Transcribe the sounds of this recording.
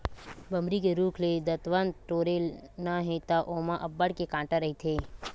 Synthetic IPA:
bɐmɾikeɾuːkʰled̪ɐt̪ʋənd̪ʈoːɾelnaɦet̪aʔoːmãʔɐbːəɽkekãːʈaɾɐɦit̪ʰeː

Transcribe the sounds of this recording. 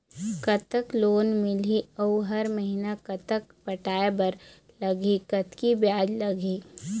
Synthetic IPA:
kɐt̪əkloːnmɪliɔuɦɐɾməɦinakɐt̪ək̚pɐʈaːebɐɾ | lɐɡʱikɐt̪kibjaːd͡ʒlɐɡʱi

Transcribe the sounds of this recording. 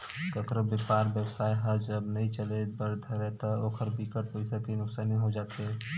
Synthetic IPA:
kɐkɾobɪpaːɾbjəwsaːjɦɐd͡ʒɐbnɐɦĩt͡ʃɐlebɐɾd̪ʱaɾɛt̪aoːkʰəɾbikəʈ̚poɪsakinʊksaːnĩɦod͡ʒaːt̪ɦɛː

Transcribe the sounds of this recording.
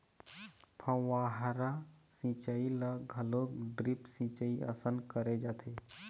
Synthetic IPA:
pʰə̃waɦaɾasĩt͡ʃailəɡʱəloɖɾipsĩt͡ʃəiə̰sənkəɾed͡ʒat̪ʰe

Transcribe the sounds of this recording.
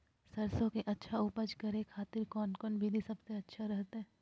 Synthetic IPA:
sɐɾsõkeʔɐtːʃʰaʊpəd͡ʒkɐɾẽkʰaːt̪ɪɾkɔːnkɔːnbʱid̪isɐbseɐtːʃʰaɾɛɦt̪aɦɛː

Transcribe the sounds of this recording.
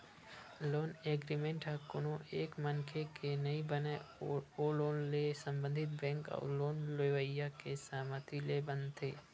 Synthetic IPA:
loːneːɡɾimẽːɳʈɦəkʊnõeːkmənkʰekenəĩbəneoloːnlesə̃mbə̃nd̪ʱɪt̪̚bɛ̃ːŋkɔ̰ːloːnleʋəjakesaːmət̪ʰilebə̃nd̪t̪ʰeː

